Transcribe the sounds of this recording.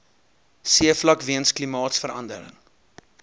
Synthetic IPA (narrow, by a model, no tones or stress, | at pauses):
siəflɐkviənsklimɑːtsfəɾɐ̰ndə̰ɾə̰ŋ